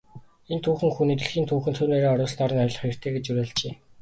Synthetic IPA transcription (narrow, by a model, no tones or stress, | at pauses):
ent̪ʰuːxɘ̆ŋxunit̪ɘ̆ɮxiːnt̪ʰuːxɘ̆nt̪ʰɵːneːɾeːɔɾʊːsɮnɔːɾə̆nɔjɮɞ̆χer̥t̪ʰeːɡet͡ɕuɾæːɮt͡ɕeː